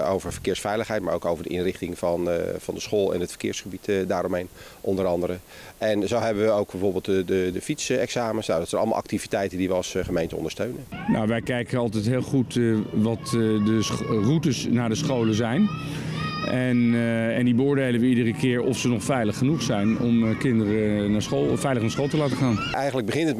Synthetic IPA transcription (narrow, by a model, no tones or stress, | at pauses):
owvəɹv̥ə̥kɪːɹsfɛjləχɦɛjt̚maːɹo̰wkowvəɹdəʔɪ̰nrɪχtɪŋvɑnvɑndəsχoːlˠɛ̰nɦətfə̥ɹkɪ̰ːɹsχəbitdaːɾɔmɦejnʔɔndəɾɑndəɾə | ʔɛnzowɦɛbəʋəowɡ̚bɛvoːɹbɪːlˠtədədəfitsɛksaːmənsnawdɑtsɛnɑləmɑ̰lˠɑ̰k̚tivitɛjtəndiʋəɑsχəmejntə̰ɔ̰ndəɹstøɥnənna̰wʋɛjkɛjkənɑlˠt̬ɛjtɦɪːlˠχutʋɑtdərutəsnaːdəsχowləzɛjn | ɛnɛndibəʊːɹdejlənʋəidərəkɪːɹɔfsənɔχfɛjləχːənuχsɛjnɔmkɪndərənaːsχolˠfɛjləχnaːɹsχolˠtəlaːtəχaːnʔɛjχənləɡ̚bəχɪntət